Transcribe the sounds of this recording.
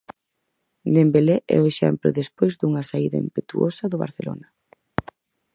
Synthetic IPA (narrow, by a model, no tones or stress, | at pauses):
d̪embelɛʔɛ̰oeʃɛ̰mplʊ̰ðespojzd̪uŋɐsaiðɐempet̪uosɐðʊβa̰ɾθelo̰nɐ